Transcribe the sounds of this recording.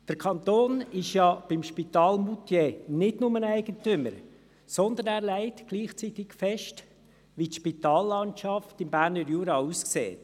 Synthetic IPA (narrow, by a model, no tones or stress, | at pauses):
d̥əɾkʰɑnt̪oːnɪʃjɑb̥ɪmʃpitɑːlmut̪jenɪdnʊmənæɪɡ̥əntʏməɾ | sɔnd̪ənæːɾlæɪtɡ̥liːχt͡sit̪ɪkfɛʃt | ʋitʃpit̪ɑːlːɑntʃɑftɪmbæːɾnəɾjuːɾɑuːsksḛːt